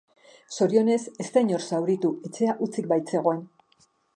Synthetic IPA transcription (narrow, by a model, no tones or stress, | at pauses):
so̞ɾio̞ne̞se̞st̪aɲo̞ɾsawɾit̪ue̞t͡se̞aʔut͡sik̚bajt͡se̞ɣ̞o̞e̞n